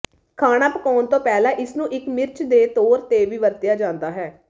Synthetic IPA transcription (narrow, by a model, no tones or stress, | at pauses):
kʰaːnaːpəkɔːnt̪õːpɛːlãːʔɪsnũːʔɪkmɪɾt͡ʃʰd̪eːt̪oːɾt̪eːʋiːʋəɾt̪ɪjaːd͡ʒãːnd̪aːɦɛː